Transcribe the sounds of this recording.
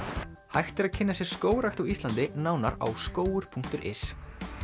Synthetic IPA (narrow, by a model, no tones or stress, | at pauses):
hajxt̪ɪɾaðcʰɪnːasjɛɾ̥skoːwɾaxt̪awist̪ant̪ɪnawnaɾa̰wskoːwʏɾ̥pʰuŋ̥kt̪ʏɾʔɪ̰s